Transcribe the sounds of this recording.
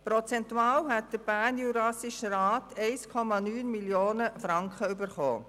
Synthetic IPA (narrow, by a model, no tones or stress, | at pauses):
pɾɔt͡sɛntuɑːlɦɛt̚d̥əɾb̥æːnjuɾɑsiʃɾaːtʰɛɪskʰɔmɑnyːnmiljoːnəfɾɑŋkχəybəɾχo̰ː